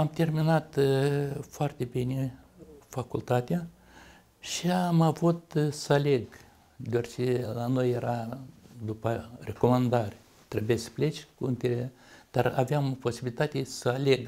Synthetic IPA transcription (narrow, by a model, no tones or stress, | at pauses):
amt̪e̞rminat̪ | foart̪ʲe̞binʲefakult̪at̪ea | ʃiamavut̪səale̞ɡ | d̪ʲeart͡ʃelano̞jːeɾad̪upəre̞ko̞mand̪arʲ | t̪ɾebjesə̥ple̞t͡ʃkuɨnt̪ʲeɾe | d̪̥ara̰veampo̞sibilʲit̪at̪ʲesəale̞ɡ